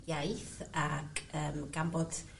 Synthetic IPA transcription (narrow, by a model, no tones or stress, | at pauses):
jajθaɡəːmɡ̥ambɔd̥